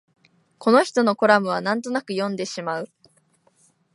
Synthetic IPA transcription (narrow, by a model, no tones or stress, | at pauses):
ko̞no̞çi̥t̪o̞no̞ko̞ɾamɯ̟β̞anãnt̪̬onakɯ̟jõ̞nd̪e̞ɕimaɯ̟